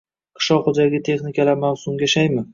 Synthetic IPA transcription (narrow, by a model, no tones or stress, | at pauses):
qʰɨ̥ʃɒχʊd͡ʒaɡʲɪt̪ʰe̞χnɪkʲʰalaɾmawsʊmjʲaʃajmɪ